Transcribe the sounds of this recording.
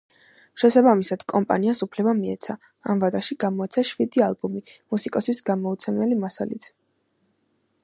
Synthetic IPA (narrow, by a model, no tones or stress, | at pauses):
ʃɛsabamisad̪̥kʼɔmpʼa̰niasupʰlɛbamiɛ̰t̪sʰa | a̰mvad̪aʃiɡamɔɛt̪sʰaʃvid̪ialˠbumimusikʼɔsisɡamɔut̪sʰɛmɛlimasa̰lḭt̪ʰ